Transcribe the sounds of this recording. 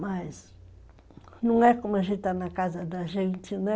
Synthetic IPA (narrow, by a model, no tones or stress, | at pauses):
mas | nũw̃ɛkomaʒẽnt̪t̪anakazɐd̪aʒẽnt̪ɪnɛ